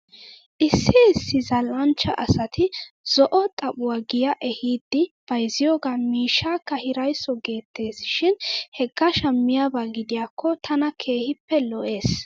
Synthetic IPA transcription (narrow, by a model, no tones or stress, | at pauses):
ʔɪsːɪɪsːɪzɐlʔɐnt͡ʃːɐʔɐsɐt̪ʰɪz̥ɔʔɔt̪ʼɐɓʊwaːɡɪjɐʔɛhiːd̪ːɪb̥ɐjzɪjoːɡamiːʃːaːkːɐhɪɾɐjsːɔɡe̞ːt̪ːe̞ːsɪʃɪnhɛɡːɐʃɐmːɪjaːbaːɡɪd̪ɪjaːkʰːɔt̪ʰɐnɐkʰe̞ːhɪpːɛlɔʔe̞ːs